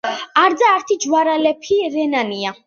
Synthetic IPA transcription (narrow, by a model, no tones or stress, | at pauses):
aɾd̪zaːɾt̪ʰid͡ʒwaɾalɛpʰiɾɛnania